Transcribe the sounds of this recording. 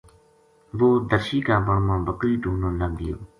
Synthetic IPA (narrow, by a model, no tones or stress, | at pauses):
ʋoːd̪əɾʃiːkaːbəɳmãːbəkɾiːʈuːnõːləɡɪjo̰ː